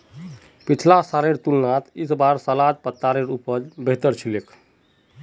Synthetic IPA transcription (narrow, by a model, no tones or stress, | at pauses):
pit͡ʃʰlasaɾeɾt̪ulnat̪isbaɾsəlad̪̚pət̪ːaɾeɾupəd͡ʒbeɦt̪əɾt͡ʃʰilekʰ